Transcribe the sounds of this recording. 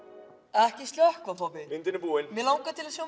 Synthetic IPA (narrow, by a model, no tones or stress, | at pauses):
ɛhcɪst̪ljœhkvafɔpɪmɪnt̪ɪnɪpuːɪnmɛlawkat̪ʰɪlasjow